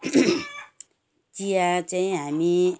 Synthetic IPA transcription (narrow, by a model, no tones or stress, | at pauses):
t͡sijat͡saĩɦami